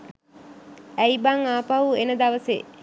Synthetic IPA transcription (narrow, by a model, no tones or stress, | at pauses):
æibaŋaːpaʋuenəd̪aʋəsḛ